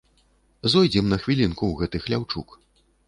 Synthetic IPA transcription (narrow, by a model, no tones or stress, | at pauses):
zɔjd͡zʲɛmnɐxvʲilʲinkuwɣɛt̪ɨxlʲawt͡ʂṵk